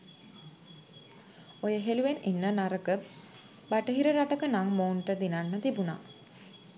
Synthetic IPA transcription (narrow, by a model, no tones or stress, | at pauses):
ojəɦeluʋeninːənaɾəkə | baʈəɦiɾəɾaʈəkənaŋmoːnʈəd̪inanːət̪ibuna̰